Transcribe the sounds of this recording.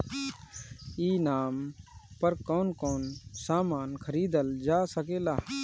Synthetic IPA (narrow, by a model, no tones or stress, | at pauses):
iːnaːmpəɾkɔːnkoːnsaːmaːnkʰəɾiːd̪əld͡ʒaːsəkeːlaː